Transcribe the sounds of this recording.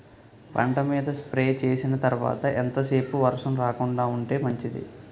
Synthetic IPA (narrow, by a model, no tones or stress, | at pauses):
pɐ̰ɳʈɐmiːd̪ɐspɾe̞ːt͡ʃe̞ːsinɐt̪ɐɾuʋa̰ːt̪ɐʔent̪ɐse̞ːpuʋɐɾʂɐmɾaːkuɳɖaːuɳʈe̞ːmɐɲt͡ʃid̪ḭ